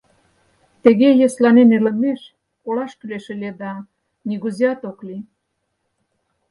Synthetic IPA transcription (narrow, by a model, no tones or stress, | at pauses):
t̪ə̆ɣejeslɑnenelə̆meʃ | kolɑʃkyleʃĕled̪ɑ | niɣuziɑt̪okli